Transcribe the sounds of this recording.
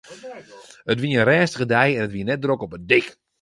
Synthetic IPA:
ətʋiəənrɛːnstəɣədɛjɛnətʋiənɛt̚drokɔpədɪk

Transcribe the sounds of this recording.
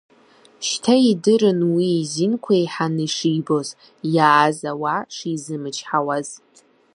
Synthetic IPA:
ʃtʰaidɨɾɨnwiːzinkʷʰaiħanɨʂijbo̞z | jaːzawaʂizɨmɨt͡ʃʰħawaz

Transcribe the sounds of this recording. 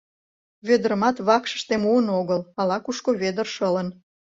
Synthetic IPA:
βed̪əɾəmɑt̪βɑkʃə̥̆ʃt̪emuənoɣəlɑlɑkuʃkoβed̪ərʃələn

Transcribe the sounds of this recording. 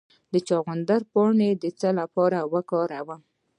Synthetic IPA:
d̪ət͡ʃɑɣand̪aɾpɑɳed̪ət͡səlapɑɾawəkɑɾawə

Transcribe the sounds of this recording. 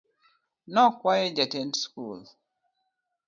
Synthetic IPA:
nɔkwajɛd͡ʒatɛntskul

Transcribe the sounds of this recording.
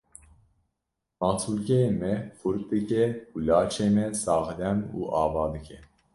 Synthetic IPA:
mɑːt̪ʰulkɛjemɛfuɾk̚d̪ɨkɛhulɑːt͡ʃʰeːmɛsɑːxd̪ɛnṵːʔɑːvɑːd̪ɨkʰɛ

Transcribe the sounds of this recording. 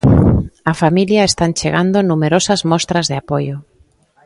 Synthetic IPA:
ɐfamiljaest̪ant͡ʃeɣand̪onumeɾosazmɔst̪ɾazðeapojo

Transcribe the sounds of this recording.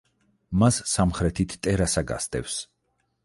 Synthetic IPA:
masːamχɾɛt̪ʰit̪ʰt̪ʼɛɾasaɡa̰st̪ʼɛfs

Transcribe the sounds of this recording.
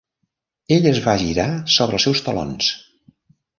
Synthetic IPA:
eʎəzβaʒiɾasoβɾəlˠsɛwst̪əlo̰ns

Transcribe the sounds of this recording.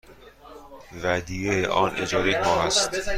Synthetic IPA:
væd̪ieʔɒːnʔḛd͡ʒɒːd̪ekɒːmæst̪

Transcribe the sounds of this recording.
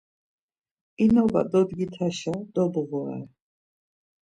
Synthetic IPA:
inɔva̰d̪ɔd̪ɡit̪ʰaʃad̪ɔbʁɔɛ̰

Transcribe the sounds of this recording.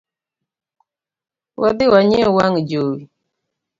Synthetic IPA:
wadiwaɲewaŋd͡ʒowi

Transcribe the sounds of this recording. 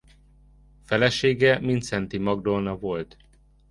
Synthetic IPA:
fɛlɛʃeːɡɛmint̪sɛnt̪imɒɡd̪onɒvo̞lt̪

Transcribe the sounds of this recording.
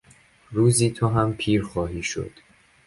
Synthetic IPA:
ɾuːziːt̪ʰoɦæmpʰiːɾxɒːɦiːʃo̰d̪̥

